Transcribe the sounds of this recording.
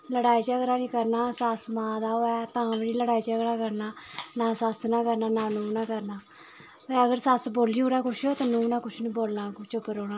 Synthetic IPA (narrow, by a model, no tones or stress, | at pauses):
ləɽaːiːd͡ʒəkɾaːnĩːkəɾnaːsasmãːd̪aːoːɛːt̪ãːʋəniːləɽaːiːd͡ʒəɡɾaːkəɾnaːnaːsəsnaːkəɾnaːnãːnũːnaːkəɾnaː | eəɡəɾsasboːliːoːɽaːkʊʃʰoːt̪aːnũːnãːkʊt͡ʃʰnĩːboːlnaːkʊt͡ʃʊpːəɾoːɽãː